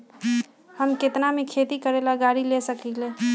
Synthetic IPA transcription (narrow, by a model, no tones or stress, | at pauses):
həmket̪namekʰet̪ikəɾelaɡaɾilesəkile